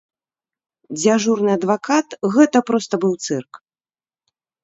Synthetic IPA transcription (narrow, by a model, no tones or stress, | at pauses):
d͡zʲaʐurnɨɐd̪vakat̪ɣɛt̪ɐpɾɔst̪ɐbɨwt̪sɛrk